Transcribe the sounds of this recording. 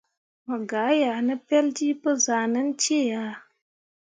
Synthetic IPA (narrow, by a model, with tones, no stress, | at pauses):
mə˨ɡa˨˦ja˨nə˦pɛ˦ld͡ʒi˦pɨ˦za˨nə˦n˦t͡ʃe˦˨ja˨˦